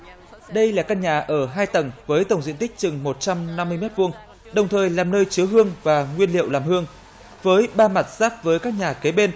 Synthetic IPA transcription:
ɗə˧jlaː˨˩kaː˧nɲaː˨˩ʔəː˧˩ɦaː˧jt̪ə˨˩ŋvəː˨˦jt̪ə˧˩wŋ͡mzḭ˧ənt̪ï˦˥k̟̚t͡ɕɨ˨˩ŋmo˨˩t̚t͡ɕa˧mna˧mːɨ˧əjmɛ˦˥t̚vu˧əŋ | ɗə˨˩wŋ͡mt̪ʰəː˨˩jlaː˨˩mnəː˧jt͡ɕɨ˨˦əɦɨ˧əŋvaː˨˩ŋwi˧ənlḭ˧ə˨wlaː˨˩mhɨ˧əŋ | vəː˨˦jɓaː˧ma˨˩t̚z̥aː˦˥p̚vəː˨˦jkaː˦˥k̚ɲaː˨˩ke˨˦ɓe˧n

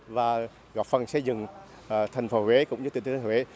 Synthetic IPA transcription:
vaː˨˩ | ɣɔ˨˩p̚fə˨˩nsɛ˧˥zɨ˨˩ŋː˨˩ | t̪ʰa˨˩jŋ̟fo˨˦we˨˦kʊ̰˧˥ŋ͡mɨ˧˦˥t̪i˨˩˨t̪ʰːwe˨˦

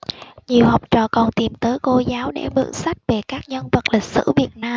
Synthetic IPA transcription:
ɲi˨˩əwhə˨˩wk͡p̚t͡ɕɔ̰ː˧˨˩kɔ˨˩nt̪i˨˩mt̪əː˨˦jko˧zaː˨˦wɗḛ˧˩mɨ̰˧˥ŋsa˦˥jk̟̚ve˨˩kaː˦˥k̚ɲə˧nvə˨˩t̚lï˨˩k̟̚sɨ̰˧˥vi˨˩ət̚naː˧m

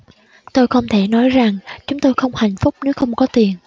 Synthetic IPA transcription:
t̪o˧jxə˧wŋ͡mt̪ʰe˧˩nɔ˨˦jza˨˩ŋt͡ɕʊ˨˦ŋ͡mt̪o˧jxə˧wŋ͡mha˨˩jŋ̟fʊ˦˥k͡p̚ne˨˦wxə˧wŋ͡mkɔ˨˦t̪i˨˩ən

